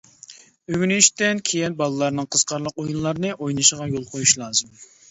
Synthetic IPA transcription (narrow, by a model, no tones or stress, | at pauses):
øɡʲynyiʃt̪ɛnkʲʰejinbɑlˠɨlˠɑɾnɨŋqʰəz̥qɑɾlˠəqojunlˠɑɾnɨʔojnɨʃəʁɑjolˠqʰojuʃlˠɑːzɨm